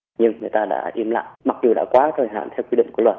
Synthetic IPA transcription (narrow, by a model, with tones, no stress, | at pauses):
ɲɨ˧ŋŋɨ˨˩jt̪aː˧ɗa̰ː˧˥ʔi˧˦əmla̰ː˧˨jma˨˩k̚zu˨˩ɗa̰ː˧˥kwaː˨˦t̪ʰəː˨˩jɦa̰ː˧˨nt̪ʰɛ˧wki˧ɗḭ˧˨ŋ͡mŋku˧˩lwə˨˩t̚